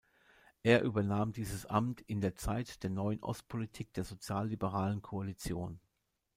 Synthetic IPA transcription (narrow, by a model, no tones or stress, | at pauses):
ʔeːɐʔyːbɐnaːmdiːzəsʔa̰mtɪndeːɐt͡saɪtd̥eːɐnɔʏənʔɔ̰st̚pʰolitʰiːk̚d̥eːɐzot͡sjaːlːibəʁ̞aːlənkʰoalit͡sjoːn